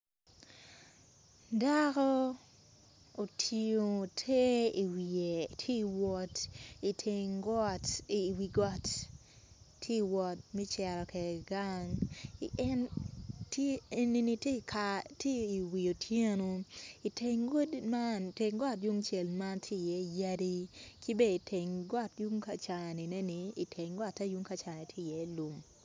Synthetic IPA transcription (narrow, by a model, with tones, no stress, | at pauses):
da˦kɔ˦ | o˨tʰi˨o˨tʰe˦i˨wi˨e˨tʰje˦i˨wɔ˦ti˨tʰeŋɡɔ˦ti˨wi˨ɡɔ˦t | tʰːe˦i˨wɔ˨t̚mɛ˦t͡ʃɛ˨ɾɔ˨kɛ˨ɡa˦ŋ | nte˦e˦ni˦ni˦tkʰatje˦i˨wi˨jo˨tʰje˦no˧i˨tʰe˨ŋɡo˦dma˦n˨te˨ŋɡɔ˦tju˦ŋt͡ʃe˨lma˦ntʰe˦˨jɛ˦ja˦di˦ki˦be˦˨i˨tʰe˨ŋɡɔ˦tju˦ŋka˨t͡ʃa˨a˨nɪ˨ne˦nɪː˨tʰe˨ŋɡɔ˦˨tːa˦ju˦ŋka˨t͡ʃa˨e˨tʰje˦˨jɛ˨˦lu˨m